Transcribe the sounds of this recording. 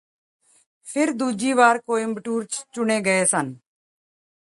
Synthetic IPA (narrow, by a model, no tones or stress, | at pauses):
pʰɪɾd̪uːd͡ʒiːʋaːɾkoːiːməʈuːɾt͡ʃt͡ʃʊɳeːɡəeːsən